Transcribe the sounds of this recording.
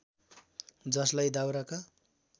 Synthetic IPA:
d͡zʌslajd̪awɾaka

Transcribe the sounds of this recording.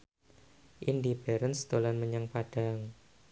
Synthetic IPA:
ʔindibɛɾənst̪olanməɲəŋpad̥a̤ŋ

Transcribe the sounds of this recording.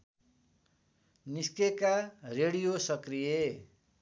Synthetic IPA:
niskekareɽijosʌkrije

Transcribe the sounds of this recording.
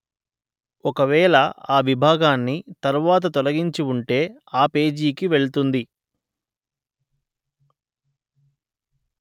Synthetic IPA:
ɔkɐʋɛːɭɐaːʋibʱaːɡaːnːit̪ɐɾuʋaːt̪̬ɐt̪ɔlɐɡiɲt͡ʃiuɳʈe̞ː | aːpe̞ːd͡ʒiːkiʋe̞ɭut̪und̪i

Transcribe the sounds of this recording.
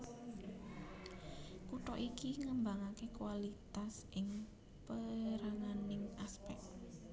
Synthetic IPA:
kuʈɔʔikiŋəmbaŋakekuwalit̪asʔɪŋ | pəɾaŋanɪŋaspɛk̚t̪

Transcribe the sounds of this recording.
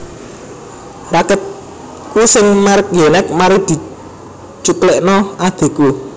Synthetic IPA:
rakət̪̚ | kusɪŋmark̚jenɛk̚maɾid̪̥i̤ | t͡ʃuk̪leʔnɔad̪̥e̤ku

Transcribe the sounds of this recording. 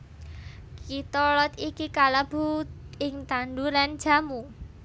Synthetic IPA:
kit̪ɔlɔt̪ikikalab̥ṳɪŋt̪anɖulan̥d͡ʒ̥a̤mu

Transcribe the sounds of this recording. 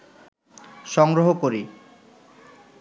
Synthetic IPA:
ʃɔŋɡɾoɦokoɾi

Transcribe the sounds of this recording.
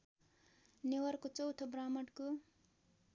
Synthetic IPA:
newʌrkot͡sʌwt̪ʰobramʌʈko

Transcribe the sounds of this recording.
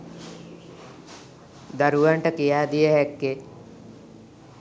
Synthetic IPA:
d̪aɾuʋaɳʈəkijaːd̪ijəɦɛkːe

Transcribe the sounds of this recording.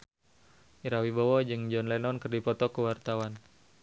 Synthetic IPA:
ʔiɾawibɔwɔd͡ʒɨŋd͡ʒɔnlɛnɔnkɨrdipɔt̪ɔkəwart̪awan

